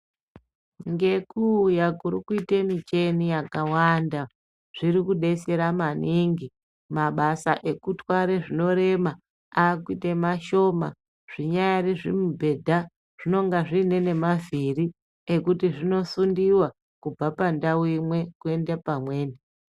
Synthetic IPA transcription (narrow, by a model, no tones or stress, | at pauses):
ŋɡe̞kujakuɾikuitemit͡ʃe̞nijakawanda | ʐ̥iɾikuɗe̞se̞ɾamaniŋɡi | maɓasaʔe̞kutwaɾeʐino̞ɾe̞ma | aːkuitemaʃo̞ma̰ | ʐ̥iɲajariʐimubʱe̞dʱa | ʐ̥ino̞ŋɡaʐine̞ne̞maviri | ekutiʐino̞sundiwa | kub͡vapandawimwe̞kue̞ndepamwe̞ːne